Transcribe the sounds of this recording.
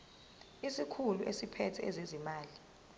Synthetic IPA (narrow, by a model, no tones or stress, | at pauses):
isikʰuluʔesipʰɛtʰɛɛzezimaːli